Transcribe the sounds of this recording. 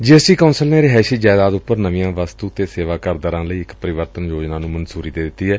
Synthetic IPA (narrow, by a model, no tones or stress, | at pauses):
d͡ʒiːɛsʈiːkaʊnsəlneːɾɪɦɛːʃiːd͡ʒaːɪd̪aːd̪ʊpːəɾnəʋĩãːʋast̪uːt̪eːseːʋaːkəɾd̪əɾãːləiːɪkpəɾɪʋəɾt̪ənjoːd͡ʒnaːnũːmənsuːɾiːd̪eːd̪ɪt̪ːiːɦɛː